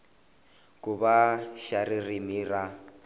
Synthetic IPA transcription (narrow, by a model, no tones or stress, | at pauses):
kubaʃaririmiːra